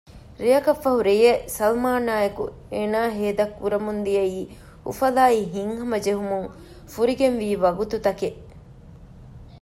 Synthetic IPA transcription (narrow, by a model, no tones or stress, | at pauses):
ɾijɐkɐfːɐɦuɾejesɐlmaːnaːjɐkṵ | eːnaːɦeːd̪ɐkːuɾɐmund̪ijɐiː | ṵfɐlaːiɦiŋɦɐmɐd͡ʒeɦumuŋ | fuɾiɡenʋiːʋɐɡut̪ut̪ɐkeʔ